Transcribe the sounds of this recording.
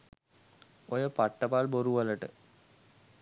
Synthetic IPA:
ojopɐʈːɐpaːlboɾuʋɐlɐʈːɨ̰

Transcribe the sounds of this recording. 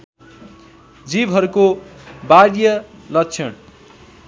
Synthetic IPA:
d͡zibɦʌɾukobaɾjʌlʌkt͡sʰʌn

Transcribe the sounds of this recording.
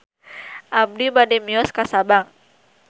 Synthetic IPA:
ʔab̚dibadɛmiɔskasabaŋ

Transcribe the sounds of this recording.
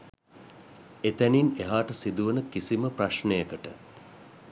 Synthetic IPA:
et̪ænineɦaːʈəsid̪uʋənəkisiməpraʃnejəkəʈə

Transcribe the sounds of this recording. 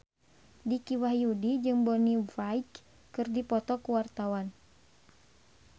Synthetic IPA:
dikiwahjudid͡ʒɨŋbɔnivajk | kɨrdipɔt̪ɔkuwart̪awan

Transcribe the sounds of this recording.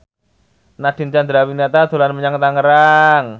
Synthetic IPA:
nad̪̥i̤nt͡ʃand̪ɾawinat̪ad̪̥o̤lanməɲaŋt̪aŋəɾaŋ

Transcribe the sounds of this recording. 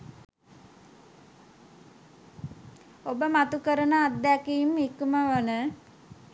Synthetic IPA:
obəmat̪ukəɾənəad̪ːækiːmikuməʋənə

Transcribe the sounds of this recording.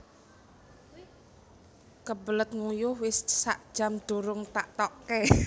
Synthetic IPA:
kəbələt̪̚ŋujʊhwɪssa̰ʔd̥ʒ̥a̤md̪̥o̤ɾʊŋt̪aʔt̪ɔkɛ

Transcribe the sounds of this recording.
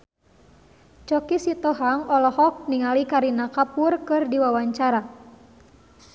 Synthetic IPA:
t͡ʃɔkisit̪ɔɦaŋɔlɔhɔk̚niŋalikaɾinakapurkɨrdiwawaɲt͡ʃaɾa

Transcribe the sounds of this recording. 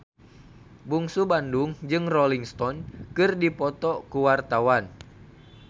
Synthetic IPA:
buŋsubanduŋd͡ʒɨŋrɔliŋst̪ɔnkɨrdipɔt̪ɔkuwart̪awan

